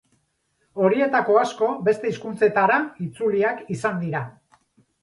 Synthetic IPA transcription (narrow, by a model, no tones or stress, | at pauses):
o̞ɾie̞t̪ako̞asko̞be̞st̪e̞iskunt͡se̞t̪aɾait͡suliakisand̪iɾa